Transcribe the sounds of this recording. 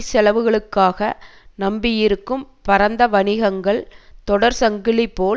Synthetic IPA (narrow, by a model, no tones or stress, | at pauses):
sɛlɐʋɯɣɐɭɯkːaːɣɐnɐmbɪjɪɾɯkːɯmpɐɾɐnd̪ɐʋɐnɪɣɐŋɡɐɭt̪ɔɽɐɾsɐŋɡɪlɪpːoː